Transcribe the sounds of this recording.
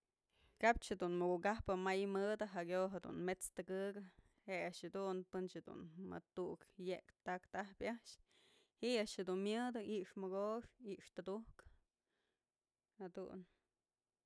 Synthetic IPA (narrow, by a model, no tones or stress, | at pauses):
kap̚t͡ʃhed̪unmɨkuʔkahpɨmajmɨd̪ɨɦakʲjoɦed̪ṵnmet͡st̪ɨɡɨɡɨ | heʔaʔʂhad̪unpɨnt͡ʃhed̪ṵnmɨ̰t̪uʔkjekt̪akt̪ahpʲaʔʃ | hiʔaʔʃhed̪unmjɨd̪ɨʔiʔʂmɨɡoʂiʔʂt̪ɨd̪uk | had̪ṵn